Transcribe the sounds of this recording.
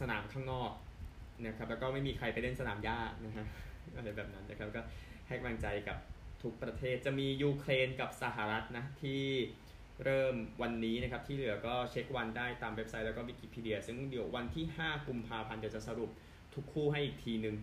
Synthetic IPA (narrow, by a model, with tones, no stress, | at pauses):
sa˧na̰ː˩˦mkʰaː˥˩ŋnɔː˥˩k̚na˦˥kʰa˦˥p̚lɛː˦˥wkɔː˥˩ma˥˩jmiː˧kʰɾa˧jpa˧jle˥˩nsa˧naː˩˦mjaː˥˩t̪̚na˦˥kʰa˦˥ʔa˧ɾa˧jbɛː˨˩p̚na˦˥nːa˦˥kʰa˦˥p̚kɔː˥˩ha˥˩jka˩la˧ŋt͡ɕa˧jka˨˩p̚t̪ʰu˦˥k̚pɾa˧t̪ʰeː˥˩t̪̚t͡ɕa˨˩miː˧juː˧kʰleː˧nka˨˩p̚sa˨˩ɦa˨˩ɾa˦˥t̪̚na˦˥t̪ʰːiː˥˩ | ɾɤː˥˩mwa˧nːiː˦˥na˦˥kʰa˦˥p̚t̪ʰiː˥˩lɯ˩˦ɐkɔː˥˩t͡ɕʰe˦˥k̚wa˧ndaː˥˩jt̪aː˧mwe˦˥p̚sa˦˥jlɛː˦˥kɔː˥˩wi˦˥kiː˧˩pʰiː˧˩di˧ɐsɯ˥˩ŋdi˨˩˦wwa˧nt̪ʰiː˥˩haː˥˩ku˧mpʰaː˧pʰa˧nt̪i˨˩t͡ɕa˨˩sa˧ɾu˨˩p̚ | t̪ʰu˦˥kʰːuː˥˩ɦa˥˩jʔiː˨˩k̚t̪ʰiː˧nɯ˧ŋ